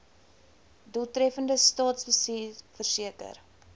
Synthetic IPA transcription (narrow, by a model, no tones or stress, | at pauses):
duətɾɛfəndəstɑːtsfəsifərsiəkə̰r